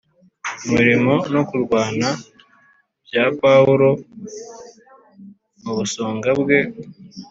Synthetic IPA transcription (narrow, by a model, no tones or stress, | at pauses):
umiɾimo̞no̞kuɾɡwaːna | bjaːpauɾo̞ | muβusoːŋɡabɡe̞